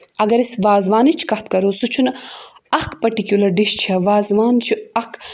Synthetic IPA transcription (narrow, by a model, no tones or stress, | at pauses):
ɐɡɐɾisʋaːzʋaːnit͡ʃʰkɐt̪kɐɾosut͡ʃʰunɐkpɐʈikjulɐɾɖiʃt͡ʃʰɐʋaːzʋaːnt͡ʃʰiɐk